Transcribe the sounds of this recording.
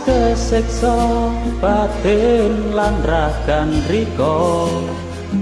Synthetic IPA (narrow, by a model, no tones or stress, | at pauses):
kəsɪksɔb̥ad̪̥enlanraɡ̥anrikɔ